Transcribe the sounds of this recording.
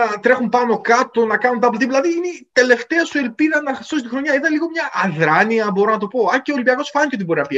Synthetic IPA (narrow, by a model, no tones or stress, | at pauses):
ɐt̪ɾe̞xumpɐno̞kɐt̪o̞nɐkɐnunt̪ɐp̬ot̪iplɐðiinet̪e̞le̞ft̪eɐsoelpiðɐnɐ̥st̪os̬it̪ixɾo̞ɲɐiðɐnliɣo̞mɲɐʔːðɾɐniɐbo̞ɾonɐt̪opo̞ɐceolibiɐkosfɐnceot̪ibo̞ɾinɐpiɐ